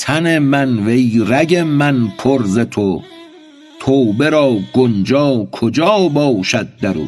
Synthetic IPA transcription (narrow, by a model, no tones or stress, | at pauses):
t̪ʰæne̞mænvejɾæɡemænpʰoɾzet̪ʰo | t̪ʰoːwbe̞ɾɒːɡond͡ʒɒːkʰod͡ʒɒːbɒːʃæd̪̚ːæɾṵː